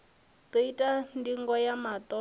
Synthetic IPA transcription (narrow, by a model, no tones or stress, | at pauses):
teitʼandiŋɡɔjamat̪ʼɔ